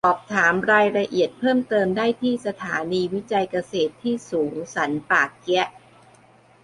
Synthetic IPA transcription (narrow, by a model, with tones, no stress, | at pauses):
ʔɔː˨˩p̚t̪ʰaː˩˦mɾaː˧jɾa˧ʔi˨˩ət̪̚pʰɤː˥˩mt̪ɤː˧mdaː˥˩jt̪ʰiː˥˩sa˧t̪ʰaː˩˦niː˧wi˦˥t͡ɕa˧jka˧seː˨˩t̪ʰːiː˥˩suː˩˦ŋsa˩˦npaː˨˩kːɛ˦˥ʔ